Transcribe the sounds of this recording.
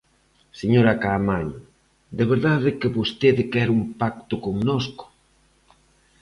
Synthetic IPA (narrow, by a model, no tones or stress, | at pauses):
seɲoɾakamaɲ | d̪eβeɾðaðekeβost̪eðɪkɛɾumpak̚t̪ʊkoŋnosko̥